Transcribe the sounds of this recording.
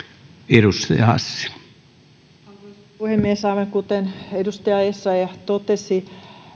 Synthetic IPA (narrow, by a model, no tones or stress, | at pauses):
eɾust̪ɑjɑhɑ̰sːi̥ | uhemmiesɑʋeŋkut̪enedust̪ɑjɑesːɑjɑt̪ot̪esi